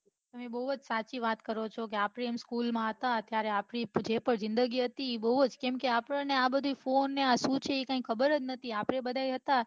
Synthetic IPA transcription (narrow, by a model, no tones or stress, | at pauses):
t̪əmebəɦuəd͡ʒsat͡ʃiʋat̪kəɾot͡ʃʰok̬eapɽeːmskulmãɦət̪aət̪jaɾeapɽid͡ʒepəɳzɪ̃nd̪əɡiɦət̪iːbəɦud͡ʒkemkeapɽəneabəd̪ʱifonːeasũt͡ʃʰeikãĩkʰəbəɾɦəd͡ʒ̪nət̪ʰiapɽebəd̪ʱajɦət̪a